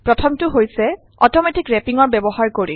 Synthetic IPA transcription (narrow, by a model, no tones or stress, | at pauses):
pɹɔtʰɔmtʊɦojsɛ | ɔ̰tɔmɛtikɹɛpiŋɔɹbɛbɔhaɹkoɹḭ